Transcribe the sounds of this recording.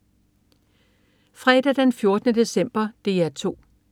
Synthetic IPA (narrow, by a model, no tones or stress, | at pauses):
fʁɛːd̥æd̥enfjo̝ɐd̥ənəd̥e̝sem̰b̥ɐd̥e̝ːæt͡sʰo̝̰ː